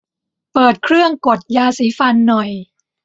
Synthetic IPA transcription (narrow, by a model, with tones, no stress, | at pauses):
pɤː˨˩t̪̚kʰɾɯ˥˩əŋko˨˩t̪̚jaː˧siː˨˦fa˧nːɔ˨˩j